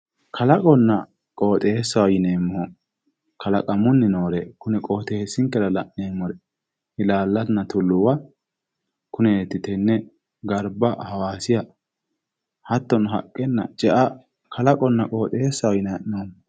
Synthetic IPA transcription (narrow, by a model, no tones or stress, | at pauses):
kʰɐlɐkʼɔnːɐ | kʼo̞ːt̪ʼe̞ːsːɐwɐjɪneːmːɔ | kʰɐlɐkʼɐmʊnːɪnoːɾɛkʊnɛkʼoːt̪eːsːɪŋkɛɾɐlɐʔneːmːɔɾɛ | ɪlaːlːɐnɐt̪ʊlːʊwɐ | kʊnɛt̪ːɪt̪ɛnːɛ | ɡɐɾbɐhɐwaːsɪjɐ | hɐt̪ːɔnʊɦɐ̰kʼːɛnːɐ̰t͡ʃʼɛʔɐ | kʰɐlɐkʼɔnːɐkʼo̞ːt̪ʼeːsːɐwɐjɪnɐʔnoːmɔ